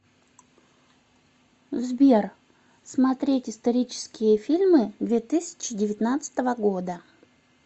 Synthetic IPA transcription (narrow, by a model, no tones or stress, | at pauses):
zbʲer | smɐt̪ɾʲetʲɪst̪ɐɾʲit͡ɕɪ̥skʲɪjəfʲilʲmɨd̪vʲet̪ɨsʲɪ̥t͡ɕɪdʲɪvʲɪt̪nat̪sɨ̥t̪əvəɡo̞d̪ə